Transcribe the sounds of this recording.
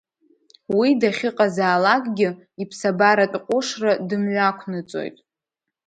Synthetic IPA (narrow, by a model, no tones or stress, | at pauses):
widaχʲɪqʼazaːlakʼɡʲɪ | ipʰsabaɾatʼqʷʼʊʂradɨmɥʷakʷʰnɨt͡sʼo̰jtʼ